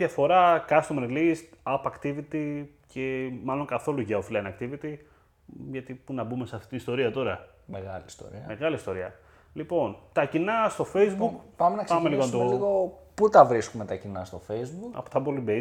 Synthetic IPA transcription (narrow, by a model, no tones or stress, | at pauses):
jɐfo̞ɾɐkɐst̪omelist̪ɐpɐkt̪ivit̪i | cʰemɐlo̞ŋkɐθo̞luʝɐofilɐinɐkt̪ivit̪i | ʝɐt̪ipunɐbume̞sɐft̪i̥t̪inist̪o̞ɾiɐt̪o̞ɾɐ | meɣɐlist̪o̰ɾḭɐme̞ɣɐlist̪o̞ɾiɐ̰ | lipo̞nt̪ɐcinɐst̪o̞feizbukpɐmenɐkspɐmeliɣont̪oliɣoput̪ɐvɾiskumet̪ɐcinɐst̪o̞fejzbukɐ̰pot̪ɐbolibe